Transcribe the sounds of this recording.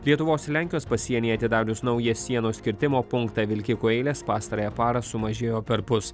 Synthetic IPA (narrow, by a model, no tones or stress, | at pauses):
lʲiɛt̪ʊʋoːslʲæˑŋʲkʲɪjoːspɐsʲiɛnʲeːɐt̪ʲɪd̪ɑːlʲʊsnɐʊjɛsʲiɛnoːsʲkʲɪɾʲt̪ʲɪmoːpʊŋkt̪ɑːʋʲɪlʲkʲɪkʊːɛɪlʲeːspɑːst̪ɐɾɐjɛpɑːɾɐsʊmɐʒʲeːjoːpʲɛɾpʊs